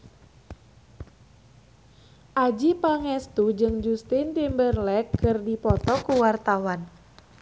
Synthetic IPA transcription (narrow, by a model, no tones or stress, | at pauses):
ʔad͡ʒipaŋɛst̪ud͡ʒɨŋd͡ʒust̪int̪imbərlɛkːɨrdipɔt̪ɔkuwart̪awan